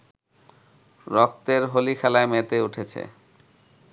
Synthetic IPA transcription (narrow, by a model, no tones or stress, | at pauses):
ɾɔk̚t̪eɾɦolikʰɛlaemet̪euʈʰet͡ɕʰḛ